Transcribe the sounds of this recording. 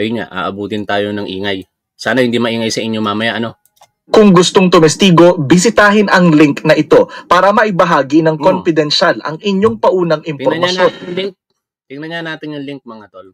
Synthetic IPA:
ɐjʊɲa̰ʔa̰ːʔɐbuːt̪ɪnt̪aːjo̞nɐŋʔḭːŋaj | saːnɐhɪnd̪imɐʔiːŋɐjsɐʔɪɲːoŋmaːmɐjaʔɐno̞ | kʊŋɡʊst̪o̞ŋt̪ʊmɛst̪iːɡo̞bɪs̬ɪt̪aːɦɪnʔɐŋlɪŋknɐʔɪt̪o̞paːɾɐmɐʔɪbɐɦaːɡinɐŋkonfɪd̪ɛnʃalʔɐ̰ŋʔɪɲjo̞ŋpɐʔuːnɐŋʔɪmpoɾmɐʃonlŋk̚ | t̪ɪŋnɐɲanaːt̪ɪnjʊŋliŋk̚mɐŋat̪ol

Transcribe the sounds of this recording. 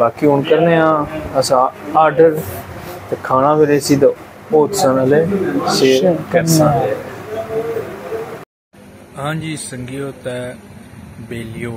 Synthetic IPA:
baːkiːʊɳkəɾneːãːəsãːaːɾɖəɾt̪eːkʰaːnãːʋɪleːsiːd̪a | oːt̪sə̃naleːseːɾkɛɾsãːnd̪e | ɦãːd͡ʒiːsəŋɡijoːt̪ɛː | beːlijoː

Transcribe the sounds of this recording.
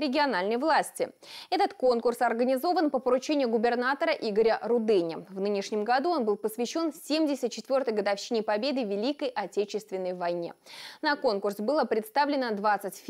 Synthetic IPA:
ɾʲɪɡʲɪɐnalʲnəjvlˠasʲtʲɪɛt̪ət̪ko̞nkʊrsɐrɡənʲɪzo̞vənpəpəɾʊt͡ɕenʲɪjʊɡʊbʲɪrnat̪əɾəʔiɡəɾʲəɾʊd̪ɛnʲɪvnɨnʲɪʂnʲɪmɡɐd̪uo̞nbɨlˠpəsvʲɪɕːo̞nfsʲemʲdʲɪsʲət̪̚t͡ɕɪt̪vʲo̞rt̪əjɡəd̪ɐfɕːinʲɪpɐbʲe̞d̪ɨvʲɪlʲikəjʔɐtʲet͡ɕɪst̪vʲɪnːəjvɐjnʲḛnɐko̞nkʊrsbɨlˠəpɾʲɪt̪st̪avlʲɪnəd̪vat̪sətʲfʲ

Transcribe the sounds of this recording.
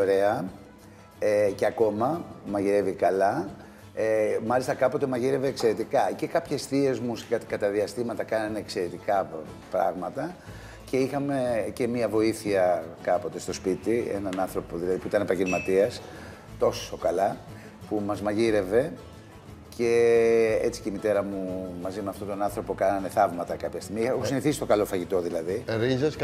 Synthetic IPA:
ɾe̞ɐ | ceɐko̞mɐmɐʝiɾe̞vikɐlɐ | emɐlist̪ɐkɐpo̞t̪emɐʝiɾe̞ve̞ːkse̞ɾe̞t̪ikɐce̞kɐpçe̞sθie̞zmusɐt̪kɐt̪ɐðiɐst̪imɐt̪ɐkɐnɐneekse̞ɾe̞t̪ikɐ | pɾɐ̰ɣmɐt̪ɐ | ce̞ixɐme̞ce̞miɐvo̞iθiɐkɐpo̞t̪e̞st̪o̞spit̪iḛnɐnɐnθɾo̞po̞ðilɐðipuit̪ɐnepɐʝelmɐt̪iɐs | t̪o̞sso̞kɐlɐ | pumɐzmɐʝiɾe̞ve̞ | cʰe̞e̞t͡si̥ceimit̪e̞ɾɐmumɐzimeɐft̪o̞t̪o̞nɐnθɾo̞po̞kɐnɐne̞θɐvmɐt̪ɐkɐpçɐst̪iɣmiexosiniθisist̪o̞kɐlo̞fɐʝit̪o̞ðilɐðiɾizes

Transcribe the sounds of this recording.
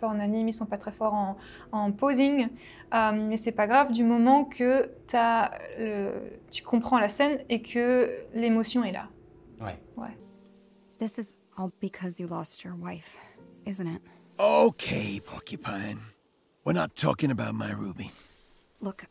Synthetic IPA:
fɔʁɑ̃nanimilsɔ̃pat̪χɛfɔʁɑ̃ | ɑ̃poziŋ | əmːɛsɛpaɡʁavd̪ymɔmɑ̃kʰət̪yalə̰t̪y̥kʰɔ̃pχɑ̃lasɛnekʰəlemɔsjɔ̃ɛla̰ | wɛ̰wɛ̰ | ðɪsɨz | ɔlˠbɨkʰʌzjɨlɔst͡ʃə˞waɪfɪzɨ̃nɪt̚ | ooʊkʰeɪpɑ̰kʰjɨpʰaɪɪ̃ŋ | wɪɹnətʰɔ̰kɪ̃ŋəbaʊt̚maɪɹubin | lʊk

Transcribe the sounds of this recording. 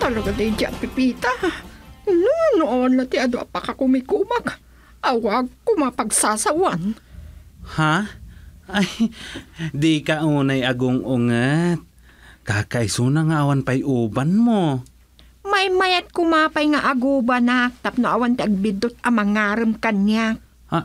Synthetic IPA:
t̪ɐlɐɡad̪ɛjd͡ʒaʔapɪpiːt̪a | nonʊʔanlat̪ɪad̪oʔapakakʊmɪkuːmak | ʔawakʊmapɐɡsaːsawan | ha | ʔaj | d̪ikaʔuːnajaɡʊŋʔʊŋat̪̚ | kaːkaʔɪsunaŋaʔawanpajʔuːbanmo | mɐjmɐjat̪̚kʊmaːpajŋaʔaɡuːbanak̚t̪ap̚noʔawant̪ɪʔɐɡ̚bɪd̪ot̪̚ɐmɐŋaːɾɨmkaɲjak̚ | ha

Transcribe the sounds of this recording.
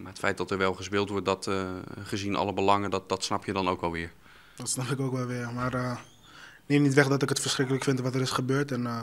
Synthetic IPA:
maətfɛjt̚dɔtəɹʋɛlˠχəspɪːlˠtʋɔɹt̚dɔtχəzinʔɑ̰ləbəlɑŋədɔdɔtsnɑpʰjədɔnowkɛlˠʋɪəɹ | dɔtsnɑpɪkoːkʋɛlˠʋɪərmaːrə | nenitʋɛχdɔtɪkətfərsχrɪkələkfɪntʋɔtəɾɪsχəbøːtɛn

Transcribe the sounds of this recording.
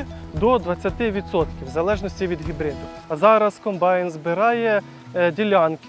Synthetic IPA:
d̪ɔd̪ʋɐt͡sʲːɐt̪ɪʋʲit̪sɔt̪kʲiwzɐlˠɛʒnɔsʲtʲiʋʲid̪ɦʲibɾɪd̪ʊ | ɐzɑɾɐskɔmbɑjnzbɪɾɑjɛ | dʲilʲɑnk

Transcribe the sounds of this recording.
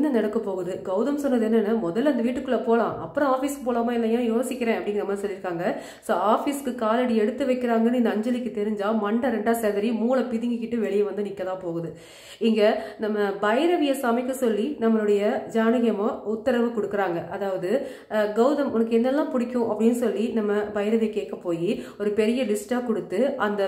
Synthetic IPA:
nːɐnɐɽɐkːɯpoːɣɐðɯɡɐʊðɐmsɔnːɐðɯɛnːɯnːaːmɔðɐlːɐnd̪ɐʋiːʈːɯkːɯɭːɐpoːlãːʔɐpːɯɾɔ̃aːfiːsɯpoːlaːmaːɪɛnːɐjãːjoːsɪkʲːɪɾẽːɐpːɐɽɪŋɡnɐmːɐsɔlːɪɾɯkːaːŋɡɐ | soːaːfiːskɯkaːlɐɽiɛɽɯt̪ːɯʋɐɪkːɪɾaːŋɡɐnːɯɪnd̪ɐɐɲd͡ʒɐlɪkːɯt̪ɛɾɯɲd͡ʒaːmɐɳɖɐɾɛɳɖaːseːðɐɾimuːlɐpɪðɪŋɡɯkɪʈːɯʋɛɭɪjɐʋɐnd̪ɯnɪkːɐðãːpoːɣɐðɯ | ɪŋɡɐnɐmːɐbɐjɐɾɐʋɪjɐsaːmɪkːɯsɔlːinɐmːɐɭɯɽɐjɐd͡ʒaːnɪɣɐmɐ̃ʊt̪ːɐɾɐʋɯkɔɽɯkːɯɾaːŋɡɐʔɐðaːʋɐðɯ | ɡɐʊðɐmʊnɐk̬ːɯɛnːɛlːãːpʊɽɪkʲːʊ̃ʔɐpːɐɽɪnːɯsɔlːinɐmːɐbɐjɐɾɐʋɪjɐkeːʈ̚kːɐpːoːjiɔɾɯpɛɾɪjɐlɪsʈaːkɔɽɯt̪ːɯʔɐnd̪ɐ

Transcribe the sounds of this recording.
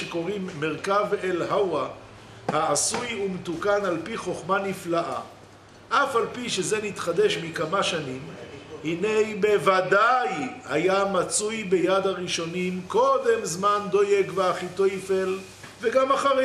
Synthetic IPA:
eko̞ʁimːe̞ʁkavelhawa | haːsujumet̪ukanalpiχo̞χmaniflaʔa̰ | ʔafalpiʃe̞ze̞nit̪χad̪e̞ʃmikamaʃanimhinejbe̞vad̪ajhajamat͡sujbe̞jad̪aʁiʃo̞nimko̞d̪e̞mzmand̪o̞je̞ɡveaχit̪ojfel | veɡamaχaʁe

